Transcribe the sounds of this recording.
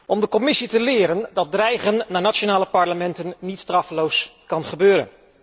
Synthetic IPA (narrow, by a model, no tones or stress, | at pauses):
ʔɔmdəkɔmɪsitəlɪːɾəndɑt̚drɛjχənːaːɹnatonaːləpɑɹləmɛntənːitstrɑfəlowskɑnχəbøːɾə̰n